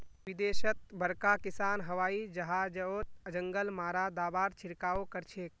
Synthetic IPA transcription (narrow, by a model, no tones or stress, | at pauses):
ʋid̪eʃət̪̚bʱəɾkakisaːnɦəʋaːid͡ʒəɦad͡ʒəot̪̚əd͡ʒəŋɡəlmaːɾad̪abaːɾt͡ʃʰiɾkaːokəɾt͡ʃʰek̚